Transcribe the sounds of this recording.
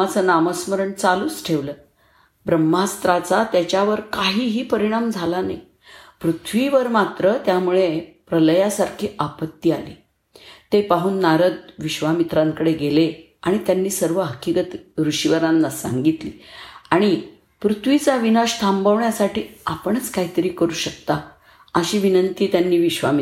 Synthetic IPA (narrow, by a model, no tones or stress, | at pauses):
at͡sənaməsməɾəɳt͡saluːt͡sʈʰeʋləː | bɾəmːast̪ɾat͡sat̪jat͡ɕaʋəɾkaɦiːɦiːpəɾiɽ̃amd͡zʱalana̰j | pɾut̪ʰʋiʋəɾmat̪ɾət̪jamuɭepɾələjasaɾkʰiːʔapət̪ːialḭː | t̪epaɦuːnːaɾəd̪̚ʋiɕʋamit̪ɾaŋkəɽeɡele | aɽ̃it̪janːiːsəɾʋəɦəkːiɡət̪ɾuɕiʋəɾãnːasa̰ŋɡit̪lḭːaɽ̃i | pɾut̪ʰʋit͡saʋinaɕt̪ʰambəʋɳjasaʈiːapəɳ̃ət͡skaɦit̪əɾiːkəɾuːɕəkt̪a | əɕiːʋinənt̪iːt̪janːiːʋiɕʋa̰mi